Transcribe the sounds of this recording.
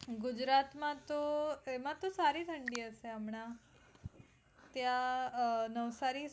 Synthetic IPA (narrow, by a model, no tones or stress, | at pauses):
ɡud͡ʑɾat̪mãt̪oemãt̪osaɾiːt̪ʰəɳɖiːəseamɳ̃a | t̪ja | nəʋsaɾi